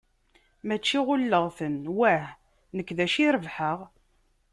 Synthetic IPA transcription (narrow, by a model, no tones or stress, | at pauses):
mæt͡ʃːiʁʊlːəʁθənwæh | nəkːðæʃiɾəvħəʁ